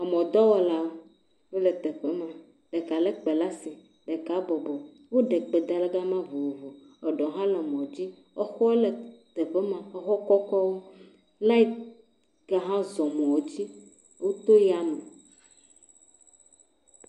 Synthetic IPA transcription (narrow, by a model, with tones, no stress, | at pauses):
a˨mɔ̃˨d̪ɔ˦wɔ˨la˦ | wo˦le˨t̪e˨ɸe˦mã˨ | ɖe˨ka˨le˦k͡pe˨la˦si˨ | ɖe˨ka˨˦bɔ˨bɔ˨ | wo˦ɖe˨k͡pe˨d̪a˨le˦ɡa˦mã˦vo˨wo˨vo˨ | ɔ˨ɖɔ˨ɦã˦lɛ˨mɔ̃˨d͡ʑi˦ | ɔ˦xɔ˦e˦le˨t̪e˨ɸe˦mã˨ɔ˦xɔ˦kɔ˦kɔ˦wo˦ | la˦i˦ | ɡa˨ɦã˦zɔ˨mɔ̃˨wo˨d͡ʑi˦ | wu˦t̪o˦ja˦me˨